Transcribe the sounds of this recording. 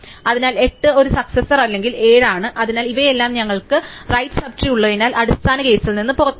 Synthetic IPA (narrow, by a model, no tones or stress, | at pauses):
ɐðinaːle̞ʈːɨo̞ɾusɐksɐsːɐrɐlːe̞ŋɡile̞ːɻaːɳɨʔɐðinaːliʋɐje̞lːaːmɲɐŋːɐɭkɨrɐjtːɨ̥sɐbʈrijuɭːɐinaːlʔɐɽust̪aːnɐke̞ːsilninːɨpo̞rɐt̪ː